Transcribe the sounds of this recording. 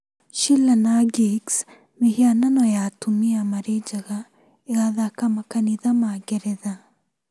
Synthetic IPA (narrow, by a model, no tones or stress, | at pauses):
ʃilanaɡiks | mehiananɔjatumiamaɾed͡ʒaɣa | eɣaðakamakaniðamaɡeɾeða